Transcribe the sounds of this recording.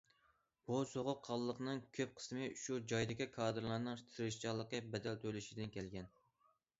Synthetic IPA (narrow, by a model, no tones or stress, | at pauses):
b̥usoʁʊqʰːɑlˠːəqnɨŋkʲʰøp̚qʰə̥smɨʃud͡ʒɑjd̪ɪkʲikʰɑːd̪ɨɾlˠɑɾnɨŋt̪ʰɨɾɪʃt͡ʃɑlˠːəqəbɛd̪ɛlt̪ʰølyʃid̪ɪnkʲɛlɡʲɛn